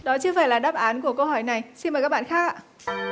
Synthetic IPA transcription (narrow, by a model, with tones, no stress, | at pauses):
ɗɔ˨˦t͡ɕɨ˧əvaː˧˩jlaː˨˩ɗaː˦˥p̚ʔaː˨˦nku˧˩əkə˧whɔ˧˩jna˨˩jsi˧nmə˨˩kaː˦˥ɓa̰ː˧˨xaː˦˥k̚a˨